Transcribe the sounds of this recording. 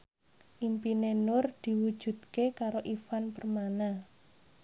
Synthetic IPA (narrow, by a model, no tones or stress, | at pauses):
ʔimpinenʊrd̪̥i̤wud̥ʒ̥ṳd̪̚kekaɾoʔifanpərmana